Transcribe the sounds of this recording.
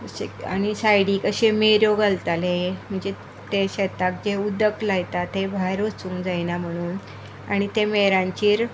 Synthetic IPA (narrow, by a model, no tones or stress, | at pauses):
əɕea̰ñisajɽiːkəɕemeɾjoɡəlt̪alem̤əɳd͡ze | t̪eɕet̪ak̚d͡ʑeud̪əklajt̪at̪ːebʱaɾʋot͡suːŋkd͡zajnam̤əɽ̃uːn | a̰ɽ̃it̪emeɾãɲt͡ɕiːɾ